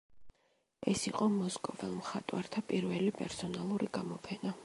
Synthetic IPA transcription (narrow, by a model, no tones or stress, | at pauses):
ɛsiqʼɔmɔskʼɔvɛlˠmχat̪ʼwaɾt̪ʰapʼiɾvɛlipʼɛ̰ɾsɔnalˠuɾiɡamɔpʰɛna